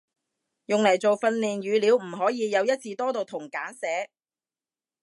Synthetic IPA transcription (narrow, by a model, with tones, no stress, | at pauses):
jʊ˨ŋlɐ˨˩jt͡so˨wfɐ˧nliː˨˩nɥyː˨˧liː˨˧wm̩˨˩ɦɔː˨˥jiː˨˧jɐ˨˧wjɐ˥t̚t͡sʰiː˧t̪ɔː˥t̪o˨wt̪ʰʊ˨˩ŋkaː˨˥nsɛː˨˥